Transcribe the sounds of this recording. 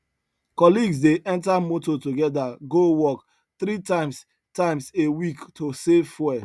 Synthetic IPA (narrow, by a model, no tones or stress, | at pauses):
kɔliɡs̬deʔɛ̃ntamototoɡɛdaɡowɔk | θɾitãɪ̃ms | tãɪ̃msewiktosefɛ